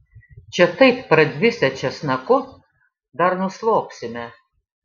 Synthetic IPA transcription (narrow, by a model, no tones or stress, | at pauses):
t͡ʃʲɛt̪ɐɪppɾɐd̪ʲʋʲɪsʲɛt͡ʃʲɛsnɐkʊ | d̪ɐɾnʊslˠoːksʲɪmʲɛ